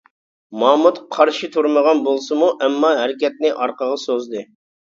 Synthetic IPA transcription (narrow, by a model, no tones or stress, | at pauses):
mɑmut̪qʰɑɾʃit̪ʰuɾməʁɑnbolˠsɨmuʔɛmːɑɦɛɾɪkʲɛt̪̚nɪʔɑɾqəʁɑsozd̪ɨ